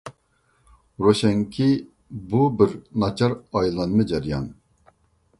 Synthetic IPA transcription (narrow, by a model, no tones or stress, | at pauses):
ɾoɕɛŋkʰi | bubɨɾnɑt͡ʃɑɾɑjlˠɑnmɨd͡ʒɛɾjɑ̰n